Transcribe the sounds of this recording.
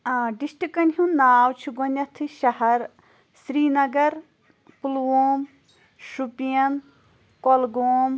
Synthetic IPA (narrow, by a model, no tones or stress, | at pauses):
ɖisʈikɐnɦũnaːwt͡ʃʰiɡonɐt̪ʰɨʃɐhɐɾ | sɾiːnɐɡɐɾ | pulwoːm | ʃupijɐn | kolɡoːm